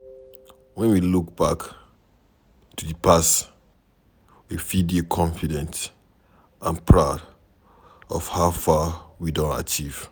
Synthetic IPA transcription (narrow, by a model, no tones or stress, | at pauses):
wɛ̃nwiluk̚b̥ak | tudipʰas | wividiokʰɔ̃ɱfidɛ̃nt | ʔãnpʰɹaʊd | ɔ̰fhaʊfawidõnta̰t͡ʃiv̥